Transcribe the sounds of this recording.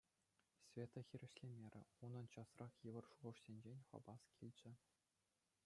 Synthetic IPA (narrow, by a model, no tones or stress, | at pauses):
sʲvʲet̪ɤ̆xʲiɾʲɘ̆ɕlʲemʲeɾʲɘ̆unɤ̆nt͡ɕɑsrɑχjɘʋɤ̆rʂuʁɤ̆ʂsʲenʲd͡ʑenʲχɑ̰bɑskʲilʲd͡ʑɘ̆